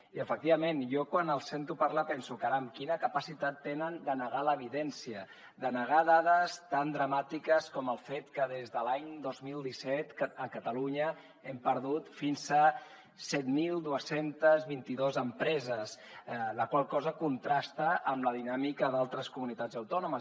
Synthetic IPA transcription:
iəfək̚t̪iβəmenjɔkwanəlˠsent̪upaɾləpɛnsukaɾəːmkinəkəpəsit̪at̪ːenənd̪ənəɣaləβ̞iðɛnsiə | d̪ənəɣ̞aðaðəst̪and̪ɾəmat̪ikəskɔməlˠfet̪kəðezðəlaɲd̪ozmilˠd̪isɛt̪əkət̪əluɲə | empəɾðut̪finzə | sɛt̪milˠd̪uəsent̪əzβint̪iðozəmpɾɛzəs | ləkwalˠkɔzəkunt̪ɾast̪əʔːmləðinamikəðalˠt̪ɾəskumunit̪ad͡zəwt̪ɔnumə

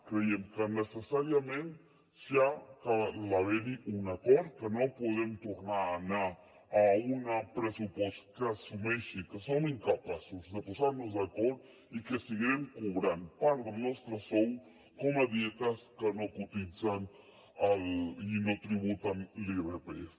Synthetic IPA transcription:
kɾejemkanesesaɾjamẽnt̪ | ʃakalaβeniunakoɾkenopoðemt̪oɾnanaː | unapɾesupweskasumeʃikasoŋiŋkapasosd̪epusaɾnozakoɾ | ikesiɣiɾeŋkuβɾand̪paɾd̪enest̪ɾasow | komad̪jet̪askanokut̪isan | alinot̪ɾiβut̪anliβɾepes

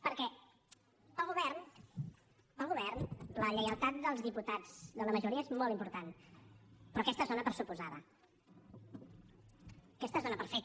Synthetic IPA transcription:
pəɾkɛ | əlˠɣuβɛrn | əlˠɣuβɛrnləʎəjəlˠt̪at̪̚d̪əlˠzðiput̪ad͡zðələməʒuɾiəezmɔlt̪impuɾt̪an | pɾɔːkɛst̪əzonəpəɾsupuzaðə | kɛst̪əzonəpəɾfɛk̚t̪

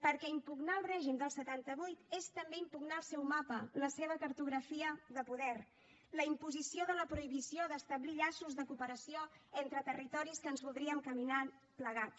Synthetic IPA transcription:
pəɾkɛimpuɡnaəlˠrɛʒimd̪əlˠsət̪ant̪əβujt̪est̪əmbeimpuɡnaəlˠsɛwmapələseβəkəɾt̪uɣɾəfiəðəpuðɛr | ləimpuzisioðələpɾuiβisioðəst̪əβliʎasuzðəkupəɾəsioɛnt̪ɾət̪ərit̪ɔɾiskəːnzβulˠd̪ɾiəŋkəmina | pləɣat̪

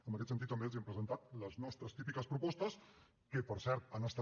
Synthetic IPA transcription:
əmbəkɛt̪sənt̪it̪ːəmbeəlziəmpɾəzənt̪at̪̚ləznɔst̪ɾəst̪ipikəspɾupɔst̪əs | kəpəɾsɛɾt̪anəst̪a

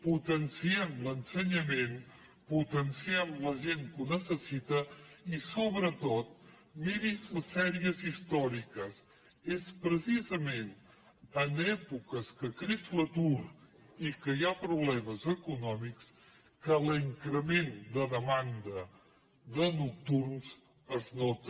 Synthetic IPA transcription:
put̪ənsiɛmlənsəɲəmen | put̪ənsiɛmləʒenkunəsəsit̪əisoβɾət̪ot̪̚ | miɾizləsɛɾiəzist̪ɔɾikəs | espɾəsizəmen | ənɛpukəskəkɾizlət̪uɾ | ikəjapɾuβlɛməzəkunɔmiks | kəliŋkɾəmend̪əðəmand̪ə | ðənuk̚t̪uɾnz | əznot̪

